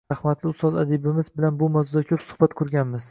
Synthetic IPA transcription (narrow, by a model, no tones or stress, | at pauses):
ɑhmat̪ʰlɪʊst̪ɒzad̪ɪbɪmɪzbɪlanbʊmawzʊd̪akʲʰɵpsʊ̥hbat̪kʰɵɾɡʲanmɪz̥